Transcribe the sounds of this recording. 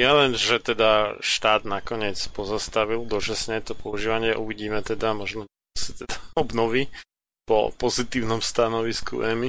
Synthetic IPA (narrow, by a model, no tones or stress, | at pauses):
jalɛnʒɛt̪ɛd̪aʃt̪aːd̪nakɔɲɪɛt͡spɔzast̪aʋild̪ɔt͡ʃasɲɛt̪ɔpɔuʒiːʋaɲɪɛʔuʋiɟiːmɛt̪ɛd̪amɔʒnɔ | sḁt̪ɛd̪aɔbnɔʋi | pɔ̰pɔzit̪iːʊnɔmst̪anɔʋiskṵʔɛmi